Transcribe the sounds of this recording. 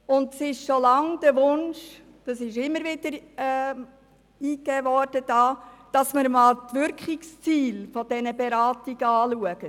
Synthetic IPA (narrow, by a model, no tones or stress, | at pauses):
ʊndsɪʃʃolɑŋd̥əʋʊnʃ | d̥ɑsɪʃɪmːəɾʋɪdəɾɛ | iːkːɛːʋɔɾd̥əd̥ɑːd̥ɑsməɾmɑːltʋʏɾkχɪkst͡siːlfɔd̥ɛnəbeɾɑːtiɡ̥əɑːluəɡ̥ə